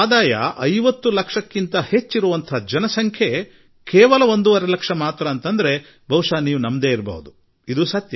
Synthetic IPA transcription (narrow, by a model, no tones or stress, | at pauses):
aːd̪aːjɐ̰ʔɐjʋɐt̪ːulɐkʂɐkːint̪ɐhe̞t͡ʃːiɾuʋɐnt̪ʰɐd͡ʒɐnɐsɐŋkʰje | kɛːʋɐlɐo̞nd̪uʋɐɾelɐkʂɐmaːt̪ɾɐːnt̪ɐnd̪ɐɾe̞ | bʱɐwʂaːniːʋunɐmd̪e̞ːiɾbɐ̰ɦud̪u | id̪usɐt̪jɐ